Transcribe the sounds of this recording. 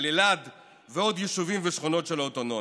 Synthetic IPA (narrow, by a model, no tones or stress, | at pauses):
lelad̪ | veo̞d̪jeʃuvimveʃχono̞tʃelaot̪ono